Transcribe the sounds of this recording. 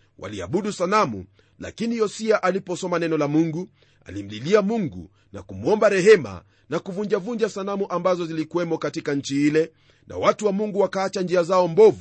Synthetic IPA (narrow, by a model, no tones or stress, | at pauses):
wʔa̰lia̰ɓuɗusanamṵ | la̰kinijɔsiaʔalipɔsɔmanɛnɔlamuŋɡu | a̰lim̩liliamuŋɡṵ | na̰kumuɔmbaɾɛɦɛma̰ | nakuvuɲd͡ʒavuɲd͡ʒasanamuʔambazɔzilikuwɛmɔkatikaɲ̩t͡ʃiilɛ | nʔa̰watuwamuŋɡuwakaːt͡ʃand͡ʒiazaɔmbɔvu